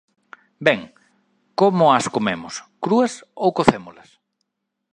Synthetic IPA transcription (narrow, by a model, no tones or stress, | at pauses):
bɛŋ | komʊaskomemʊskɾuɐsowkoθemolɐs